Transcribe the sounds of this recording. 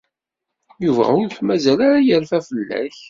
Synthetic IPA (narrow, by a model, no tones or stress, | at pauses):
juvæ̰ʊɾħmæzælaɾajəɾfæfəlːæ̰ç